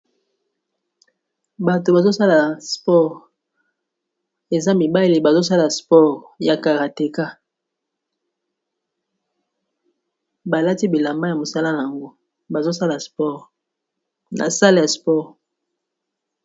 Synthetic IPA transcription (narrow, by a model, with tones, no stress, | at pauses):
ba˨to˨ba˨zo˦sa˦la˨spɔ˦ʁ | e˨za˦mi˨ba˦˨li˨ba˨zo˦s̬a˦la˨spɔ˦ʁja˨ka˨ʁa˨te˨ka˦ | ba˨la˦ti˦bi˨la˨mba˦ja˨mo˨sa˦la˦na˨ja˨ŋɡo˦ | ba˨zo˦sa˦la˨spɔ˦ʁ | na̰˨sa˦la˦ja˨spɔ˦˨ʁ